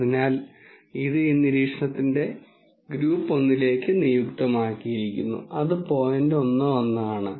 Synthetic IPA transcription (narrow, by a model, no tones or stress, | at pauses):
ɐðinaːl | iðɨinːiɾiːkʂɐɳɐt̪ːinde̞ | ɡɾuːpːo̞nːile̞ːkːɨnijukt̪ɐmaːkːijiɾikʲːṵnːṵɐðɨpo̞ːjɐndeo̞nːɐonːaːɳɨ